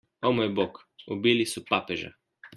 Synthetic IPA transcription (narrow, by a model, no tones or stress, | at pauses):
omojbok | obilisɔpaːpɛʒa̰